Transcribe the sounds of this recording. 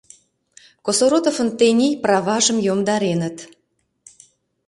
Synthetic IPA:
kosoɾot̪ofənt̪enʲijprɑβɑʒə̆mjomd̪ɑɾenət̪

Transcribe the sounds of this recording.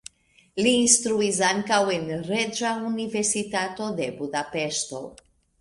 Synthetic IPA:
liːnst̪ɾuis̬aŋkawe̞nɾe̞d͡ʒaunive̞ɾsitato̞de̞budape̞ʃto̞̰

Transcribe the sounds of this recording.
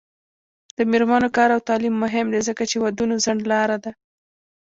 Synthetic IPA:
d̪̥əmeɾmɑnokɑɾawt̪ɑlimːʊɦɪmd̪ezəkat͡ʃewad̪unozaɳɖlɑɾad̪a

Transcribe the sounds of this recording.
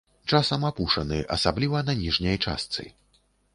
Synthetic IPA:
t͡ʂasɐmapuʂɐnɨʔɐ̰sablʲivɐnɐnʲiʐnʲɐjt͡ʂa̰st̪sɨ̰

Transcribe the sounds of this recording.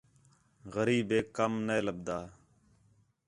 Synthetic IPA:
ɣəɾiːbeːkəmneːləb̚d̪aː

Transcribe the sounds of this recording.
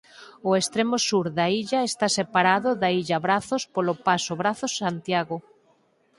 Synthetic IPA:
ʊest̪ɾemosuɾðaiʎaest̪asepaɾaðʊðaiʎaβɾaθospolopasoβɾaθʊsant̪jaɣo

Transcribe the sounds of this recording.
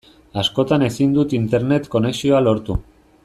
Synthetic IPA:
asko̞t̪ane̞sind̪ut̪int̪e̞ɾne̞t̪ko̞ne̞ksio̞alo̞ɾt̪u

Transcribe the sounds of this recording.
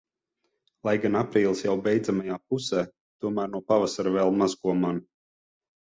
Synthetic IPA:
lˠajɡanapɾiːlˠsjawbɛjd̪zamajaːp̚usɛː | t̪uɔmæːɾnuɔpavasaɾvɛlˠmazkuɔman

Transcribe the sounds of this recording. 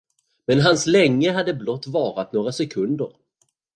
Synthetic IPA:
mɛnɦanslɛŋːəɦad̪ːəblɔt̪ːvɑːɾat̪noːɾasɛkʰɵnd̪əɾ

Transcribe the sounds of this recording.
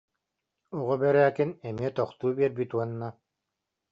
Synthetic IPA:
uʁɔbɛɾæːkinɛmiɛt̪ɔχt̪uːbiɛɾbit̪uɔnːa

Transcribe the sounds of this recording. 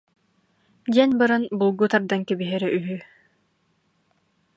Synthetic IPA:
d̪iɛnbɯɾɯnbulˠɡut̪aɾd̪aŋkɛbiɦɛɾɛʔyɦy

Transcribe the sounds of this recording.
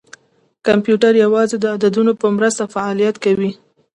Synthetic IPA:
kampjuʈaɾjawɑzed̪əad̪ad̪unopəmɾəst̪afaɑlijat̪kawi

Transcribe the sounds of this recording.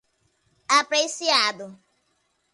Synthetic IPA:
apɾesiad̪ʊ

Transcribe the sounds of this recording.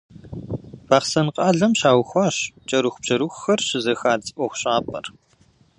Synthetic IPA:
paːχsɐnqʼɑːɮɐmɕaːwxʷɑːɕt͡ʃʼɐɾuxʷʊb̥ʑ̥ɐɾuxʷxɐrɕɪzɐxaːt͡sʼɨʔʷɔxʷɕʼaːpʰʼɐ̰r

